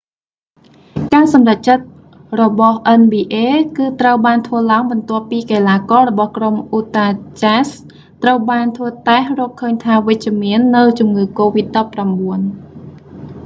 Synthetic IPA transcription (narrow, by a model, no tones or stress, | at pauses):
kaːsɑmrac̚t͡ɕət̪̚ | rɔɓɑhʔənɓiːʔeːkɨːt̪rəwɓaːnt̪ʰʋəəlaəŋɓɑnt̪ŏəpːiːkeːlaːkɑːɾɔɓɑhkromʔuːt̪aːt͡ɕas | t̪rəwɓaːnt̪ʰʋəət̪ahrɔːkʰːəːɲt̪ʰaːʋɨc̚t͡ɕɛ̆əmiənːɨwt͡ɕumŋɨːkoːʋit̪̚ɗɑːpːramɓuən